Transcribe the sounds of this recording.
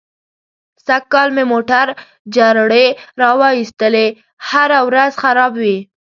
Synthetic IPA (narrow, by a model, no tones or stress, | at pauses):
sakːɑlmemoʈaɾ | d͡ʒaɾɽeɾɑwɑist̪əle | haɾawɾazxaɾɑbwi